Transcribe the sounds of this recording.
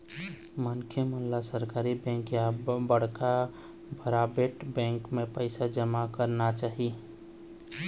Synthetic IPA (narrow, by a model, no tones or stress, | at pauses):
mənkʰjemənlasəɾkaːɾibɛ̃ːŋkjabəɽ̤ka | bʱəɾaːbeʈbɛ̃ːŋkmẽpəɪsad͡ʒəmakəɾnat͡ʃaːɦi